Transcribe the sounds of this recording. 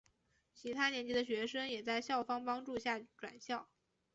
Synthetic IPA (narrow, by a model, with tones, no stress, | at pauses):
t͡ɕʰi˧˥t̪ʰa˥njɛ˧˥nt͡ɕi˧˥d̪ə˧ɕɥɛ˧˥ʂɤ˥ŋjɛ˨˩t͡sa˥˧ɪɕjɑ˥˩ʊfɑ˥ŋpɑ˥ŋʈ͡ʂu˥˧ɕja˥˩ʈ͡ʂwa̰˨˩nɕjɑ˥˩ʊ